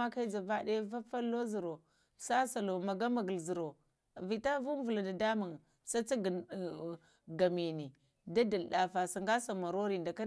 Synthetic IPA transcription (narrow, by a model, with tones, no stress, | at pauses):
a˦ka˦i˦d͡ʒa˨va˦de˦va˦fa˦lo˦zi˨ɾo˨ | sa˦sa˨lo˨ma˨ɡa˦ma˨ɡə˨lzi˨ɾo˨ | vi˨ta˦vu˦m˦vu˨la˨da˨da˦ma˨ŋ | sa˦t͡sa˦ɡ | ɡa˨mi˨ni˨ | da˦da˨lɗa˨fa˨sa˨ŋɡa˦sa˨ma˨ɾo˦ɾi˨nda˨ka˦